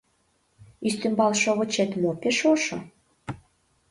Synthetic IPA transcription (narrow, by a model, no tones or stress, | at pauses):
ist̪ymbɑlʃoβɤ̆t͡ɕet̪mopeʃoʃo̰